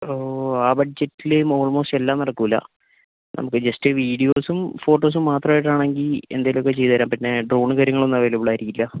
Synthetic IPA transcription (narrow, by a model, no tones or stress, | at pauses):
oːaːbɐʈ̚d͡ʑetːilemo̞ːɭmo̞ːstelːaːmnɐɽɐkːuilːɐ̰ | nɐ̰mukːɨd͡ʑɐstɨʋiːɽijo̞ːsumfo̞ːʈːo̞ːs̬umːaːt̪rɐmaːjiʈ̬ːaːɳe̞ŋɡile̞̰nd̪aːjilokːe̞t͡ɕe̞jt̪ːɐɾaːmpinːe̞ɖro̞ːɳɨkɐɾjɐŋːɐɭonːɐʋelibɭaːjiɾikʲːilːɐ